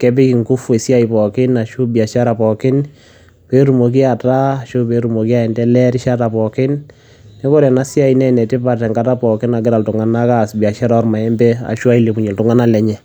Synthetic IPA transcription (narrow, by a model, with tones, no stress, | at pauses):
kɛ˦p̬ɪ˦kɪ˨ŋkʊ˦fe˨sja˦i˨pɔ˨kɪ˦na˨ʃu˦bi˨a˨ʃa˦ɾa˨pɔ˨kɪ˦n | pe˦ɾu˨mo˨k̬i˦a˨ta˦˨ʃʊ˦pe˦ɾu˨mo˨ki˦a˦ɛ˨ndɛ˦lɛ˦ɾɪ˦ʃa˦ta˨pɔ˨kɪ˦n | nɛ˦ko˦ɾjɛ˨na˦sja˦i˨nɛ˦nɛ˨tɪ˦pa˨tɛ˨ŋɡa˦ta˦pɔ˨kɪ˦na˨ɡɪ˦ɾa˨ltʊ˨ŋa˨na˦kasbi˨a˨ʃa˦ɾa˦ɔ˦rma˨ɛ˦mbɛ˦a̰˨ʃwa˦i˦le˨pu˨ɲɛ˨ltʊ˨ŋa˦na˦lɛ˦ɲɛ˨